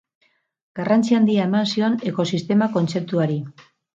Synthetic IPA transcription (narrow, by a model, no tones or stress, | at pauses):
ɡ̥arant͡siand̪iae̞mansio̞ne̞ko̞sist̪e̞mako̞nt͡se̞p̚t̪uaɾi